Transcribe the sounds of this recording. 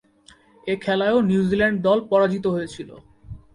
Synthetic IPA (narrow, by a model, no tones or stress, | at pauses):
ekʰɛlaeonjiuzilɛɳɖ̚d̪ɔlpɔɾad͡ʑit̪oɦojet͡ɕʰilo̰